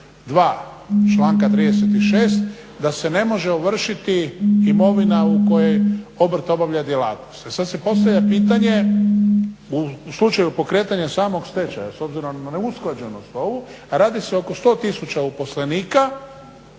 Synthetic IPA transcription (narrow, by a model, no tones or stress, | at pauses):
d̪ʋaː | t͡ʃlˠaːŋkat̪ɾiːd̪ese̞t̪iʃe̞ːst̪ | d̪ase̞ne̞mo̞ʒeoʋr̩ʃit̪iimo̞ʋinauko̞je̞jo̞br̩t̪obaʋʎad̪jela̰t̪nost̪esad̪se̞po̞st̪aʋʎʲapiːt̪aɲe̞ | uslˠut͡ʃajupo̞kɾeːt̪aɲasaːmo̞ɡst̪et͡ʃa̰jaso̞bziɾo̞mnaneusklad͡ʑenost̪oʋu | ɾaːd̪iseo̞ko̞st̪o̞ːt̪isut͡ʃaupo̞sleniːka